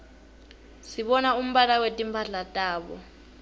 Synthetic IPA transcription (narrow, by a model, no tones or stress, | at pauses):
siɓɔnaum̩ɓalawetʼimpʰaɬatʼaːɓɔ̰